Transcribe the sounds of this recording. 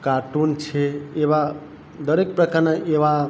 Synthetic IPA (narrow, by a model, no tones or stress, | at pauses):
kaʈunt͡ʃʰeeβa | d̪əɾek̚pɾəkaɾneʔeβa